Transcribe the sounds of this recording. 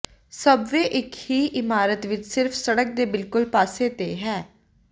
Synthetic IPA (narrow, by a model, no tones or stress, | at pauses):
səbʋeːʔɪkhiːʔɪmaːɾət̪ʋɪt͡ʃsɪɾfʰsəɽək̚d̪eːbɪlkʊlpaːseːt̪eːɦɛː